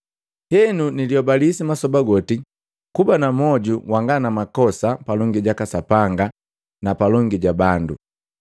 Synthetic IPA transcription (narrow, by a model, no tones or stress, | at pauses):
hɛnuniljɔbalisimasɔbaɡɔti | kubanamɔɟuwaŋɡanamakɔsapalɔŋɡiɟakasapaŋɡa | napalɔŋɡiɟabandṵ